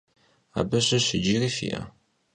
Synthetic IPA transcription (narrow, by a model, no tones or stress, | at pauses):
æ̰bæʃæʃəd͡ʒːiɾifḭ